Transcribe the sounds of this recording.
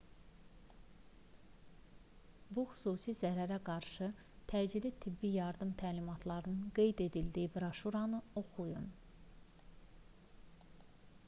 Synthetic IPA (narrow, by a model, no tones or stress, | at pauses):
buxy̥suːsizæɾæɾæɡɑɾʃɯ | t̪ʰæd͡ʒilit̪ʰibːijɑɾd̪ɯmt̪ʰæːlimɑt̪ʰlˠɑɾɯnɯnɡe̞jd̪e̞d̪ild̪iibɾoʃuɾɑnɯo̞xujun